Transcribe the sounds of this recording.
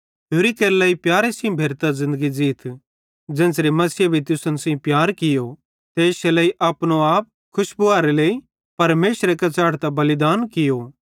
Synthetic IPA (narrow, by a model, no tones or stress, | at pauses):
ɦoːɾikeɾlɐːipjaːɾesĩbʱeːɾt̪azɪ̃nd̪əɡid͡ʒiːt̪ʰ | d͡ʒɛ̃ːnsɾimɐsɪjabʱit̪ʊsənsĩpjaːɾkɪjo | t̪eːʃeleːiʔɐpñoaːp̚ | kʰʊʃbʊaːɾeleːi | pɐɾmeːsɾekɐt͡ʃaːɽt̪abɐlɪd̪aːnkɪjo